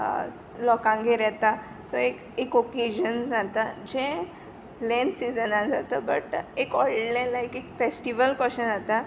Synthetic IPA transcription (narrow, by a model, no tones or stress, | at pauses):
lɔkãŋɡeɾɛt̪a | sɔek | ekɔked͡ʑənd͡zat̪ad͡ʑẽ | lɛ̃nsid͡zənãd͡zat̪əbə̰ʈekɔiɖlɛ̃laekekfesʈiʋəlkəɕənd͡zat̪a